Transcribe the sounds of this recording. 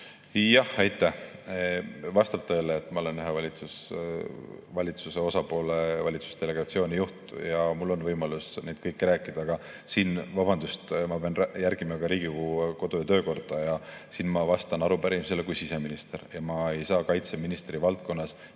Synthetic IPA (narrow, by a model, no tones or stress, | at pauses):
jɑhɑjt̪ːˑæh | vɑst̪ɑb̥̚t̪ɤ̞ːleːt̪ːˑmɑo̞le̞nyɦe̞vɑlʲit̪sus | vɑlʲit̪suse̞o̞sɑpo̞ːlevɑlʲit̪su̥st̪e̞le̞ɡ̥ɑt̪sio̞ːnʲijuht̪jɑmulːo̞nvɤjmɑlusnejd̪̥̚kɤjkːɾæːkːˑid̪̥ɑːɡ̥ɑ | siːnvɑb̥ɑnd̪ust̪mɑpeɑnjærɡ̥imɑɡ̥ɑɾiːɡ̥ikuːeko̞d̪̥ojɑt̪øːko̞rd̪̥ɑjɑsiːnmɑvɑst̪ɑnɑɾupæɾimselekujsise̞minist̪eɾjɑmɑe̞jsɑːkɑjt̪se̞minist̪rivɑlt̪̚ko̞nːɑs